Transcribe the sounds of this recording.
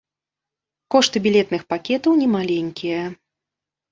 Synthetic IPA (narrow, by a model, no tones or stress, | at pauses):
kɔʂt̪ɨbʲilʲɛt̪nɨxpakʲɛt̪ɐwnʲɛmalʲɛnʲkʲijɐ